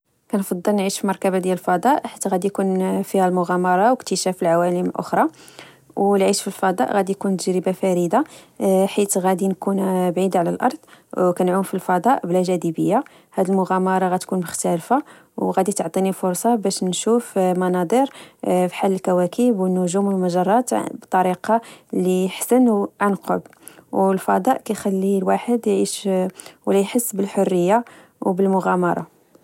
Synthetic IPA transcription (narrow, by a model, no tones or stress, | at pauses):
kænfɑd̪ˤːəlnʕiʃfilmɑɾkæbad̪jæləlfɑd̪ˤɑʔħit̪ɣæd̪ijkunfihælmʊɣɑmɑɾˤɑwəkt̪əʃæfəlʕawæləmlʔʊ̰xɾˤɑ | wlʕiʃfilfɑd̪ˤɑ̰ʔɣæd̪ijkunt̪əʒɾəbafæɾid̪aħit̪ɣæd̪inkunbʕid̪ʕlælʔɑ̰ɾˤd̪̥ˤkænʕumfilfɑd̪ˤɑʔblæʒæd̪ibəjːa | hæd̪ilmʊɣæmɑɾˤɑɣæt̪kunmʊxt̪ælfa | wɣæd̪it̪ʕt̪ˤinifʊɾˤsˤɑbæʃnʃufmɑnɑd̪ˤəɾfi̥ħalːəlkæwækʰəbwənːʊʒuməlmæʒɑrˤːɑt̪bt̪ˤːɑɾiqɑliəħsənwʕanqo̰b | wlfɑd̪ˤɑʔkæjxælːilwaħəd̪jʕiʃwlæjħəsːbəlħorːəjːa | wbəlmʊɣæmɑɾˤɑ̰